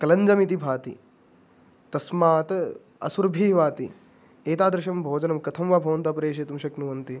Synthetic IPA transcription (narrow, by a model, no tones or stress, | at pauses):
kɐlɐɲd͡ʒɐmit̪ibʱaːt̪ḭ | t̪ɐsmaːt̪ | ɐ̰suɾbʱiːʋaːt̪ḭ | eːt̪aːd̪ɾɪʃɐmbʱoːd͡ʒɐnɐmkɐt̪ʰɐmʋaːbʱɐʋɐnt̪aːpɐɾeːʃ̬eːt̪umʃɐknuʋɐnt̪i